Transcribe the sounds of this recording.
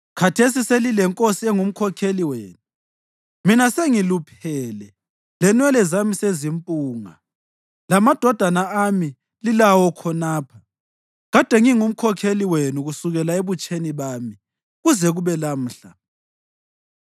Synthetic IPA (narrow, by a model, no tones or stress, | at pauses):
kʰatʰes̬iselilɛŋkʼosiɛŋum̩kʰɔkʰeliweːnu | minaseŋilupʰɛlɛ | lɛnwɛlɛzamisezimpʼuːŋa | lamad̥ʱɔd̥ʱanaami | lilawɔkʰɔnaːpʰa | ɣad̥ʱɛŋiŋum̩kʰɔkʰeliwenuɣusuɣɛlaeβut͡ʃʼeniβaːmi | ɣuzɛɣuβɛlam̩ːɬa